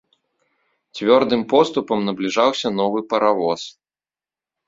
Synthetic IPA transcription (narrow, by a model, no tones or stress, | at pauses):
t͡sʲvʲɔrd̪ɨmpɔst̪upɐmnɐblʲiʐawsʲɐnɔvɨpɐɾavɔs